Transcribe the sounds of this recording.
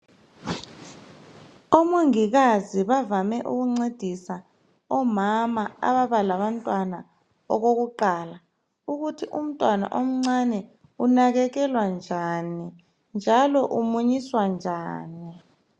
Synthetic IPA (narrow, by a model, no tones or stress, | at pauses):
ɔmoŋik̬aziβavamɛʔṵk̬uŋ͡ǀed̥ʱisa | ɔmamaa̰ɓaβalaɓantʼwana | ɔ̰k̬ok̬uǃaːla | uk̬utʰiʔum̩tʼwana̰ʔom̩ŋ͡ǀanɛ | unak̬ɛkɛlwand͡ʒʱani | nd͡ʒʱalɔʔumuɲiswand͡ʒʱaːni